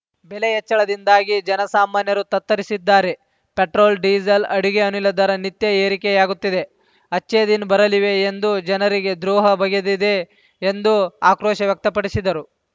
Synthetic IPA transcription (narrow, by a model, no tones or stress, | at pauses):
belejɛt͡ʃːɐɭɐd̪ind̪aːɡid͡ʒɐnɐsaːmaːnjɐɾut̪ɐt̪ːɐɾisid̪ːaːɾe̞ | peʈɾoːlɖiːd͡ʒɐlɐɽiɡeɐnulːɐd̪ɐɾɐnit̪jɐeːɾikɛjaːɡut̪ːid̪e̞ | ɐt͡ʃːeːd̪inbɐɾɐliʋe̞ːnd̪ud͡ʒɐnɐɾiɡe̞d̪ɾuːɦɐbɐɡed̪id̪eː | nd̪uaːkɾoːʃɐʋjɐk̚t̪ɐpɐɽisid̪ɐɾu